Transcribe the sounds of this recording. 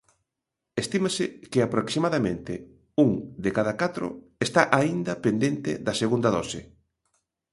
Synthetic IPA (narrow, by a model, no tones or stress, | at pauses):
est̪imasɪkɪapɾoksimaðamẽnt̪ɪ | uŋd̪ekaðakat̪ɾʊ̰ | est̪aʔaind̪ɐpend̪ent̪ɪ̰ðɐseɣund̪aðɔsɪ